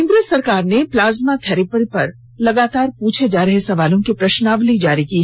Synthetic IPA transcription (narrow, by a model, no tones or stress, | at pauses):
ɪ̃ŋɡɾeːsːɐɾkaːɾneplaːzmat̪ʰɛːɾipəɾipɐɾ | lɐɡaːt̪aːɾpuːt͡ʃʰed͡ʒaːɾɐɦesɐʋaːlõkipɾɐʃnaːʋlid͡ʒaːɾiki